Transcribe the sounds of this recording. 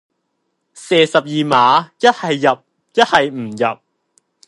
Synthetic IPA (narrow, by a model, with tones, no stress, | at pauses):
sɛː˨˧sɐ˨p̚jiː˨maː˨˥jɐ˥t̚hɐ˨jːɐ˨p̚ | jɐ˥t̚hɐ˨jm̩˨˩jɐ˨p̚